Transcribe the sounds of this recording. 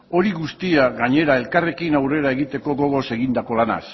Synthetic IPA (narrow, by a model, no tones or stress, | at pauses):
o̞ɾiɣust̪iaɣaɲe̞ɾae̞lkare̞kinawre̞ɾae̞ɣ̞it̪e̞ko̞ɣo̞ɣo̞se̞ɣind̪ako̞lana̰s